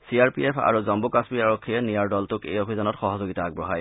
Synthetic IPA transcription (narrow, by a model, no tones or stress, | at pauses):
siaɹpiepʰa̰ɹuzɔmbukaspiaɹokʰːiɛnijaɹdɔltukḛjobʱizɔnɔtxɔɦɔzoɡitaːɡ̚bɹɔɦaj